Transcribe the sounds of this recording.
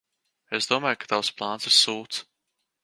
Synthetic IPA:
ezd̪uɔmaːjkḁt̪awsplˠaːnsisuːt̪s

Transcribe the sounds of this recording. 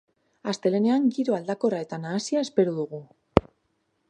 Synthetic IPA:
ast̪e̞le̞ne̞aŋɡiɾoald̪ako̞rae̞t̪anaːsiae̞spe̞ɾuðuɣ̞u

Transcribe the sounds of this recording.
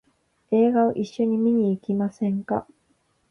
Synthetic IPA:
e̞ːɡao̰ʔiɕːo̞ɲ̟imʲiɲ̟iːkʲimasẽ̞ŋka̰

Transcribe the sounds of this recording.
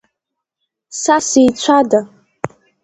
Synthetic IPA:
sasijt͡ɕʷʰada

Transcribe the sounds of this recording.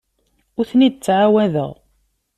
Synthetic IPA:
ʊɾθnid̪̚ət͡sːʕawæðə̰ʁ

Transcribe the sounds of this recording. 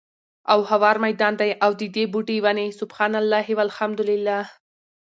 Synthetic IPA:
awhawɑɾmajd̪ɑnd̪ajawd̪əd̪ebuʈewanesʊbxɑnalːaɦɪwalhamd̪ʊlɪlːah

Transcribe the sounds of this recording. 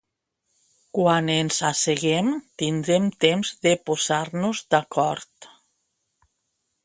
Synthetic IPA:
kwanenzaseɣemt̪ind̪ɾemt̪emzðepoz̥aɾnuzd̪akɔɾt̪

